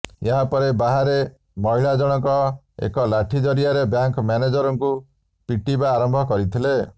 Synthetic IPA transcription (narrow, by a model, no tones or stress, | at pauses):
jeɦapɔɾebaɦaɾe | mɔɦiɭad͡ʒɔɽ̃ɔkɔ | ḛkɔlaʈʰid͡ʒɔɾijaɾebjaŋkɔmaned͡ʒɔɾɔŋku | piʈibaːɾɔmbʱɔkɔɾit̪ʰile